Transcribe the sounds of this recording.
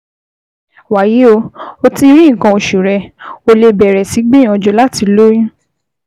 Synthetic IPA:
wa˨ji˨˦o˧o˧ti˧ɾĩ˦˨kã˧o˨ʃu˨ɾɛ˧o˧le˧bɛ˨ɾɛ˨si˨˦ɡ͡bẽ˦ɔ̃˨˧d͡ʒo˧˦la˦ti˧lo˦j̃ĩ˦

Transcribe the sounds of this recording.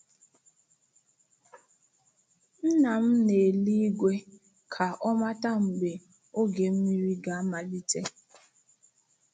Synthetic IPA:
n̩˦na˨m̩˦ne˨li˦i˦ɡʷe˦ | kʰa˨ʔɔ˦ma˦ta˦m̩˨ɡ͡be˨ | o˦ɡe˨m̩˦mi˦ɾi˦ɡa˨˦ma˨di˦te˦

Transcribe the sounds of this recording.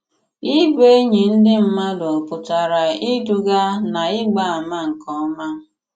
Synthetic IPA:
i˦be˦ɲe˨n̩˦dɪ˦m̩˦ma˦dɔ˨pʊ˨ta˨ɾa˨i˦du˨ɡa˦na˨ɪ˦ɡ͡ba˨a˨ma˦ŋ̩˨kɔ˦ma˦

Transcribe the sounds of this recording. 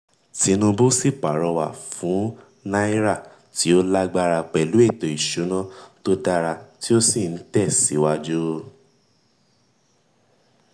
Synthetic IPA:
ti˨˧˦nũ˧bo˦si˦˨k͡pa˨ɾɔ˧wa˨fũ˨˦ | nã˦i˦ɾa˦˨ | ti˨˦o˦la˦ɡ͡ba˦ɾa˧k͡pɛ˨lu˨˦e˦˨tɔ˨i˨ʃu˨˦nã˦to˦da˧ɾa˧ti˦o˦si˦˨n̩˨˦tɛ˦˨si˨˦wa˦d͡ʒu˦

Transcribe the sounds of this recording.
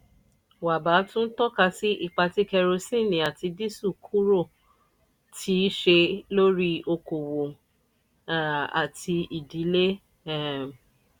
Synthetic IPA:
wa˨ba˨˦tũ˦n̩˦tɔ˦ka˧si˦ʔi˦˨k͡pa˧ti˦kɛ˧ɾo˧sĩ˦˨nĩ˨a˨ti˧di˦su˦˨kʰu˦ɾo˦˨ | tʰi˨˦ʃe˧lo˦ɾi˦o˧ko˨wo˨ | a̰˨tʰi˧i˨di˨˦le˦ | ɛ˦˨m˨

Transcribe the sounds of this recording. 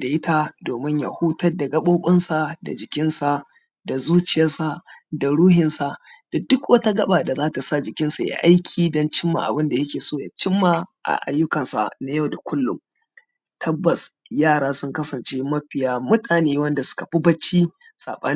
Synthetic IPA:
da˨ʔɪ˦ta˦doː˨mɪ˦ɲja̰˨huː˦tɐ˦rda˨ɡɐ˦ɓoː˦ɓʼɐ˦nsa˨da̰˨d͡ʒɪ˨kʲɪ˦nsa˨ | da˨zuː˦t͡ʃɪ˨jɐ˦rsa˨da˨ɽuː˦hɪ˨nsa˨ | d̥a˨dʊ˦kwʔɐ˦ta˦ɡɐ˦ɓaː˨da˨zaː˦ta˨sa˦˨d͡ʒɪ˨kʲɪ˦nsa˨ja̰˦ʔa˦jkʲʰiː˨dɔ˦nt͡ʃɪ˦mːa̰˨ʔa̰˨bɪ˦nda˨jɐ˦kʲeː˨soː˦˨ja̰ː˨t͡ʃɪ˦mːa˦ʔa̰˨ʔa̰˨jːʊ˦kɐ˨nsa̰˨na˨ja˦˨wda˨kʷʊ˦lːʊ̰˨m | tʰɐ˦bːɐ˨sjaː˦˨ɽaː˦sʊ˦ŋkɐ˦sɐ˨nt͡ʃeː˦mɐ˦ɸɪ˨jaː˦mʊ˦tʰaː˨neː˦wɐ˦nda˨sʊ̥˦kɐ˨ɸi˦bɐ˦t͡ʃːiː˦ | sa̰ː˨ɓɐ˦n

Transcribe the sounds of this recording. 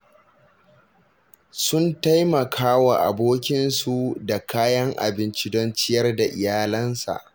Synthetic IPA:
sʊ˦nta˦jmɐ˨kʰaː˦wa˨ʔa̰˨boː˦kʲɪ˦nsu˨da˨kʰaː˦jɐ˦ŋʔa̰˨bɪ˦nt͡ʃi˦dɔ˦nt͡ʃɪ˦jɐ˦rda˨ʔɪ˨jaː˦lɐ˦nsa̰˨ʔ

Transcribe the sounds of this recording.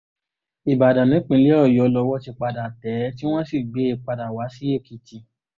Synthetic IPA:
i˨ba˨dã˨nĩ˨˦k͡pĩ˧˦le˨˦ɔ˦˨jɔ˧lɔ˧wɔ˦ti˧k͡pa˧da˨tɛ˨˦ti˦w̃ɔ̃˦si˦˨ɡ͡be˨˦i˧k͡pa˧da˨wa˨˦si˦e˦˨ki˧ti˧

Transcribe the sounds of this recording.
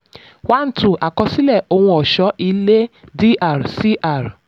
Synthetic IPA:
wa˦n̩˦tũ˦˨ʔa˨kɔ˧si˦lɛ˦˨o˧hũ˧ɔ˨ʃɔ˨˦ʔi˧le˦di˦ʔa˦˨ɾsi˦ʔa˦˨ɾ

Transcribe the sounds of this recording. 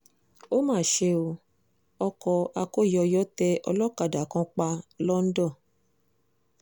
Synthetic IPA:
o˦mãː˦˨ʃe˧o˧ | ɔ˧kɔ˧a˧ko˦˨jɔ˧jɔ˦tɛ˧ʔɔ̰˧lɔ˦ka˨da˨kã˧k͡pa˧lɔ˦n̩˦dɔ˦˨

